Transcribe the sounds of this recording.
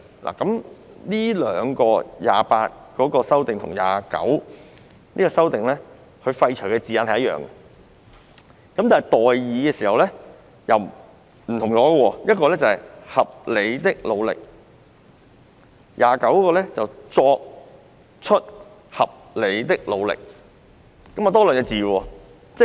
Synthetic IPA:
lʔa̰ː˨˩kɐ˨˦m | niː˥lœː˨˧ŋkɔː˧jaː˨paː˧t̚kɔː˨˥kɔː˧sɐ˥wt̪ɪ˨ŋt̪ʰʊ̰˨˩ŋja̰ː˨kɐ̰˨˥w | niː˥kɔː˧sɐ˥wt̪ɪ˨ŋlɛ˥ | hɵ˧ɥfɐ˧jt͡ʃʰœ˨˩kɛː˧t͡siː˨jɐ˧nhɐ˨jɐ˥jœ̰ː˨˩ŋ˧ | kɐ˦mt̪aː˨˩n˨˩jt̪ɔː˨jjiː˨˧kɛː˧siː˨˩hɐ˨wlɛ˥ | jɐ˨w | m̩˨˩t̪ʰʊ˨˩ŋt͡sɔː˨˥ɡɐ˧wɔː˧jɐ˥t̚kɔː˧lɛ˥t͡sɐ˨˩hɐ˨˩jhɐ˨p̚le˨˧jt̪ɪ˥k̚lo˨˧wlɪ̰˨k̚ | jaː˨kɐ˨˥wkɔː˧lɛː˥t͡sɐ˨wt͡sɔː˧k̚ | t͡ʃʰɵ˥t̚ | hɐ˨p̚le˨˧jt̪ɪ˥k̚lo˨˧wlɪ̰˨k̚ | kɐ˨˥maː˨˧t̪ɔː˥lœː˨nŋɛː˧t͡siː˨wɔː˧ | t͡sɛ˥

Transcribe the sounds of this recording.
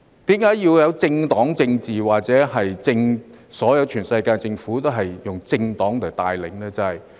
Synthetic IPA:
t̪iː˨˥mkaː˨˥jjiː˧wjɐ˨˧wt͡sɪ˧ŋt̪ɔː˨˥ŋt͡sɪ˧ŋt͡siː˨˩waː˨k̚t͡sɛː˨˥hɐ˨jt͡sɪ˧ŋ | sɔː˨˥jɐ˨˧wt͡ʃʰyː˨˩nsɐ˧jkaː˧jt͡sɪ˧ŋfuː˨˥t̪o˥wɦɐ˨jjʊ˨ŋt͡sɪ˧ŋt̪ɔː˨˥ŋt̪ʰɐ˨˩wt̪aː˨˧jlɪ̰˨˩ŋlɛː˥t͡sɐ˨˧hɐ˨j

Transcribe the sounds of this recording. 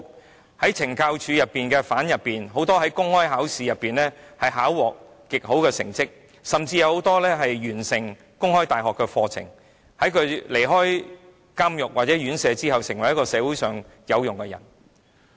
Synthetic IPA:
hɐ˨˥jt͡sʰɪ˨˩ŋkaː˧wt͡ʃʰyː˨˧jɐ˨pːiː˨nkɛ˧faː˨˥njɐ˨pːiː˨nɦo˨˥wt̪ɔː˥ɦɐ˨˥jkʊ˥ŋhɔː˥jɦaː˨˥wsiː˨˧jɐ˨pːiː˨nlɛː˥hɐ˨jɦaː˨˥wwɔː˨k̚ | kɪ˨k̚ho˨˥wkɛː˧sɪ˨˩ŋt͡sɪ˥k̚ | sɐ˨˩mt͡siː˧jɐ˧who˨˧˥wt̪ɔː˥lɛː˥ɦɐ˨jɥyː˨˩nsɪ˨˩ŋ | kʊ˥ŋhɔː˥jt̪aː˨jɦɔː˨kːɛ˧fɔː˧t͡sʰɪ̰˨˩ŋ | hɐ˨˥jkʰɵ˨˧ɥle˨˩jɦɔː˥j | kaː˥mjʊ˨k̚waː˨˩t͡sɛː˨˥jyː˨˥nsɛː˨˧t͡siː˥hɐ˨wsɪ˨˩ŋwɐ˨˩jɐ˥kɔː˧sɛː˨˧wu˨˥jsœː˨ŋ | jɐ˨˧wjʊ˨ŋkɛ˧jɐ̰˨˩n

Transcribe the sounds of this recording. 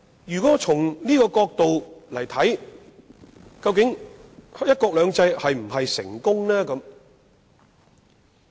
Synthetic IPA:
jyː˨kɔ˨˦˥t͡sʰʊ˨˩ŋniː˥kɔː˧kɔː˧k̚t̪o˨wlɐ˨˩jt̪ʰɐ˨˥j | kɐ˧wk̬ɪ˨˥ŋ | jɐ˥t̚kɔː˧k̚lœː˨˧ŋt͡sɐ˧jhɐ˨jm̩˨˩ɦɐ˨jsɪ̰˨˩ŋkʊ˥ŋlɛː˥kɐ˨˥m

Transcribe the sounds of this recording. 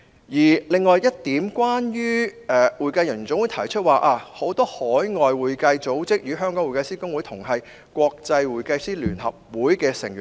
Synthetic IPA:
jiː˨˩lɪ˨ŋːɔː˨jjɐ˥t̚t̪iː˨˥mkwaː˥njyː˥ɛː˧wuː˨˩jkɐ˧jɐ˨˩ny˨˩t͡sʊ˥ŋwu˨˥t̪ʰɐ˨˩jt͡ʃʰɵ˥t̚waː˨ʔaː˧ho˨˥wt̪ɔː˥hɔː˨˥jŋɔː˨jwuː˨jkɐ˧jt͡so˨˥wt͡sɪ˥k̚jyː˨˧ɦœː˥ŋkɔː˨˥wuː˨˩jkɐ˧jsiː˥kʊ˥ŋwu˨˥jt̪ʰʊ˨˩ŋɦɐ˨j | kʷɔː˧k̚t͡sɐ˧jwuː˨jkɐ˧jsiː˥lyː˨˩nhɐ̰˨p̚wuː˨˥jkɛː˧sɪ̰˨˩ŋjy˨

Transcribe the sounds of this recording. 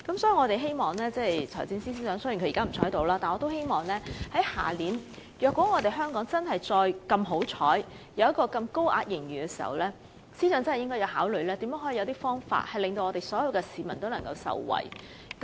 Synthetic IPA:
kɐ˨˥msɔː˨˥ji˨˧ŋɔ˨˧t̪e˨jɦe˥jmɔː˨ŋlɛː˥t͡sɛ˥˩jt͡sʰɔ̰ː˨˩t͡siː˧nsiː˥siː˥sœː˨˥ŋsœː˧˥jːkʰɵ˧˨i˨kaː˥m̩˨˩t͡ʃʰɔː˨˥jt̪o˨˧wlaː˥t̪aː˨nŋɔ˨˧t̪o˥whe˥jmɔː˨˩ŋlɛː˥hɐ˨˥jha̰ː˨˩liː˨˥n | jœː˨kwɔ˨˥ŋɔː˨˧t̪e˨jɦœː˥ŋkɔː˨˥ŋt͡sɐ˥nɦɐ˨jt͡sɔː˧jkɐ˧mɦo˨˥wt͡ʃʰɔ̰ː˨˥j | jɐ˨˧wjɐ˥t̚kːɔː˧kɐ˧mko˥wʔa̰ː˧t̚jɪ˨˩ŋjyː˨˩kɛː˧si̥ː˨˩hɐ̰˨wlɛː˥ | siː˥sœː˨˥t͡sɐ˥nhjɪ˥ŋkɔː˥jɐ˨˧whaː˨˥wlɵ˨˧ɥlɛː˥t̪iː˨˥mjœː˨˥ŋɦɔ˨˥i˨˧˨wt̪iː˥fɔː˥ŋfa̰ː˧t̚hɐ˨jlɪ˨ŋt̪o˧wŋɔː˧t̪e˨jsɔː˨˥jɐ˨˧wkɛː˧siː˨mɐ̰˨˩nt̪o˥wnɐ˨˩ŋkɐ˧wsɐ̰˨wwɐ̰˨˩j | k

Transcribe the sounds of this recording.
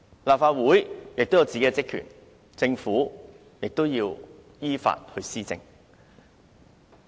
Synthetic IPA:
laː˨p̚faː˧t̚wuː˨˥jjɪ˨k̚t̪o˥wjɐ˨˧wt͡siː˨ke˦˥t͡sɪ˥kʰy̰˨˩n | t͡sɪ˧ŋfuː˨˥ | jɪ˨k̚t̪o˥wjiː˧w | jiː˥fa̰ː˧t̚hɵ˧ɥsiː˥t͡sɪ̰˧ŋ

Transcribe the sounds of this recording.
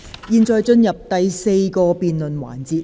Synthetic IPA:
jiː˨˧nt͡ʃɔː˨jt͡ʃɵ˧njɐ˨p̚t̪ɐ˨jse˧jkɔː˧piː˨nlɵ˨nwa̰ː˨˩nt͡siː˨˧t̚

